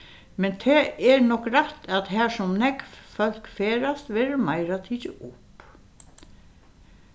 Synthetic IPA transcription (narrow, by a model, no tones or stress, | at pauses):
mɛnt̪ʰɛːɛɹnɔkɾaht̪aðɦæːɹsɔmnɛkffœl̥kfeːɾast̪ʋɛːɾəmajɾat̪ʰiːt͡ʃɪʔʊp